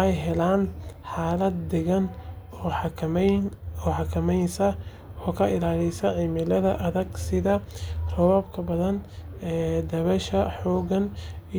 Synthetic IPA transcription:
ɛjɦɛlaːnħaːlɐd̪ːɛɣɐn | ɔːħɑnɔːħɑkʰɐmɛjnsɐ | ɔːkʰɐɪlaːlɪsɐʕiːmɪlɐðɐʔɐðɐɡsɪðɐr̥ɔβɐb̚kʰɐbɐðɐn | ɛːd̪ɐβɛʃɐħɔːɣɐn

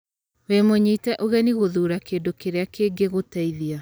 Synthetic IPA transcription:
wemoɲitɛʔoɣɛniɣoðuɾakeːndokeɾeakeɡeɣotaiðia

